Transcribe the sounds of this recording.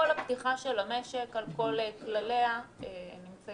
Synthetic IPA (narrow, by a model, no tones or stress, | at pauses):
olapt̪iχaʃelame̞ʃe̞kalko̞leklaleaenimt͡sa